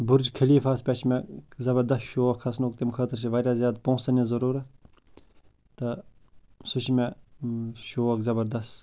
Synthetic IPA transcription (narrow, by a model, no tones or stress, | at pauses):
bʊɾd͡ʒkʰɐliːfaːspʲɐt͡ʃʰmɛzɐbɐɾd̪ɐsʃoːɐkʰɐsnoːk̚t̪emkʰəːt̪ɾʃ̬ʰiʋaːɾʲjaːzjaːd̪põːsɐnezɐɾuːɾɐ | t̪ɐ | sʊʃimẽ | ʃoːɐkzɐbɐɾd̪ɐst̪